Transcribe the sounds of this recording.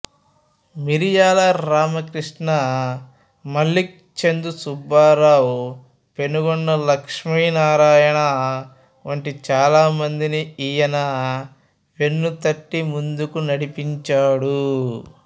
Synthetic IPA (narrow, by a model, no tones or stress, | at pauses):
miɾijaːlɐɾaːmɐkɾiʂɳɐ | mɐlːik̚t͡ʃend̪usubaːɾaːwu | pe̞nuɡɔnːɐlɐkʂmiːnaːɾaːjɐɳɐ | ʋɐɳʈit͡ʃaːlaːmɐnd̪iniiːjɐnɐ | ʋe̞nːut̪ɐʈːimund̪ukunɐɽipiɲt͡ʃaːɽu